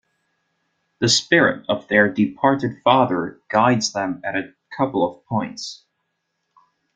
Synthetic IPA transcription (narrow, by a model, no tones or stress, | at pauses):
ðɨspɪɹɨ̰ɾʌvðə˞dɨpʰɑɹɾɨd̥fɑðə˞ɡ̥aɪdzðə̃mɨɾɨ | kʰʌpl̩ˠʌv̥pʰɔ̃ɪ̃nts